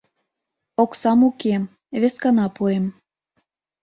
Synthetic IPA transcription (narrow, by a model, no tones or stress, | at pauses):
oksɑmukem | βeskɑnɑpuem